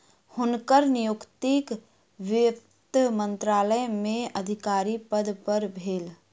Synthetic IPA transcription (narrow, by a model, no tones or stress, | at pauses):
hʊnkəɾnɪjʊkt̪ik | ʋɪ | t̪mə̃nt̪ɾaːləmẽəd̪ʱɪkaːɾipəd̪pəɾbʱeːl